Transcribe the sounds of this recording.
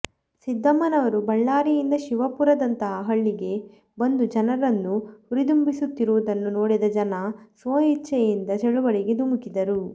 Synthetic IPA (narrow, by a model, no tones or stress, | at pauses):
sid̪ʱːɐmɐnɐʋɐɾubɐɭːaːɾijind̪ɐʃiʋɐpuɾɐd̪ɐnt̪ɐɦɐɦɐɭːiɡe̞ | bɐnd̪ud͡ʒɐnɐɾɐnːuhuɾid̪umbisut̪ːiɾuʋud̪ɐnːunoːɽid̪ɐd͡ʒɐnɐsʋoːɦit͡ʃːɐjind̪ɐt͡ʃeɭuʋɐɭiɡe̞d̪umukid̪ɐɾu